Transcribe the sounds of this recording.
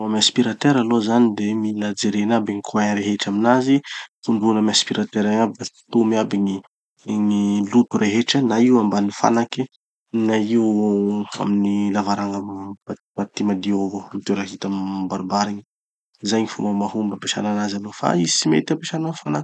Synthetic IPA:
amaspiɾat̪eɾalozanid̪emilad͡zeɾenabiŋikʰuanɾeɦeʈ͡ʂaminazifuɳɖ͡ʐunamaspiɾat̪eɾaŋabiḁt̪umiabiŋi | ŋilut̪uɾʔeɦeʈ͡ʂənaiwambanifa̰naki | naiw | a̰minilavaɾaŋabat̪mat̪imad̪iovomit̪eɾaɦit̪ammbaɾibaɾiɲi | zajɲifṵmbəmahumbapeʃa̰nanazalofa̰izi̥t͡simḛt̪ampeʃananfanak

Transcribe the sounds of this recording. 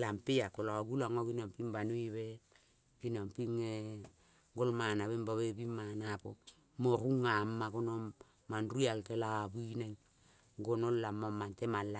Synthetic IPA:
lampijakolaɡulaŋokinampimbanwiβe | kinampiŋe | ŋɡolmanaβembaβebimːanapo | moɾuŋamːakonomː | anrualtelabineŋ | ɡonollamomːantemalːa

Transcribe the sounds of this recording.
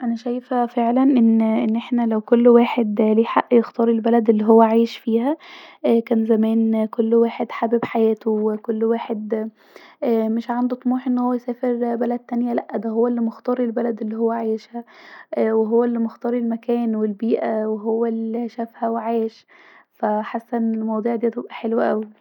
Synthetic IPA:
ʔænæʃæjfæfeʕlænʔenːʔenːʔeħnælæwkolːwaːħed̪liːħaʔːjext̪ɑːɾˤelbælæd̪elːiːɦowːæʕaːjeʃfiːhækæːnzæmæːnkolːwaːħed̪ħabebħajæːt̪oekolːwaːħed̪ | æːmeʃʕand̪ut̪ˤmuːħʔenːhowːæjsæːfeɾbælæd̪̚t̪ːænjælæʔːæd̪æɦowːælːimoxt̪ˤɑːɾˤelbælæd̪elːiːhowːæʕajeʃhæʔweɦowːælːimoxt̪ɑːɾˤelmækæːnwelbiːʔæweɦowːæliʃæfhæweʕaːjeʃ | fæħasːæʔnːelmɑwd̪ˤuːʕd̪iːt̪ebʔæħelwʔæwi

